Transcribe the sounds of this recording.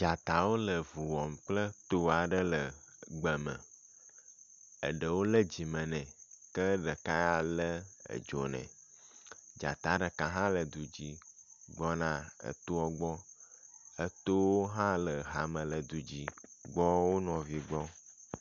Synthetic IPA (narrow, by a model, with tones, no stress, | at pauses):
d͡ʒa˨t̪a˨wo˦lə˨vu˨wɔ˨mk͡plə˦t̪o˦˨a˨ɖə˦lə˨ɡ͡bə˨mə̰̃˨ | ə˨ɖə˨wo˦lə˦d͡ʑi˨mə̃˨nɛ̃˨kə˦ɖə˨ka˦ja˦lə˦ə̰˨d͡ʒo̰˨nɛ̰̃˨ | d͡ʒa̰˨t̪a˨˦ɖə˨kã˨ɦã˦lə˨d̪u˨d͡ʑi˦ɡ͡bɔ˦nã˦ə̰˨t̪o˦ɔ˦ɡ͡bɔ˦ | ə˦t̪o˦wo˦ɦã˦lə˨ɦa˨mə̃˨lə˨d̪u˨d͡ʑi˦ɡ͡bɔ˦wo˦nɔ̃˨vi˨ɡ͡bɔ˦